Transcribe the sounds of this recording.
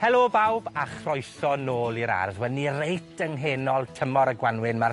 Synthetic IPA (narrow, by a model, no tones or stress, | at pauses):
hɛlˠobawbaχrɔjθɔnoːlˠiɾa̰rðwɛnirejtʰəŋɦeːnɔlˠtʰəmɔɾəɡwanwɪnmar